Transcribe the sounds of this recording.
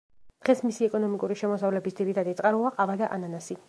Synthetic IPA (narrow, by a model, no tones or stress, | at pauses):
d̪̥ʁɛsmisiɛkʼɔnɔmikʼuɾiʃɛmɔsavlɛbisd̪ziɾit̪ʰad̪it̪sʼqʼaɾuaqʼavad̪aʔananasi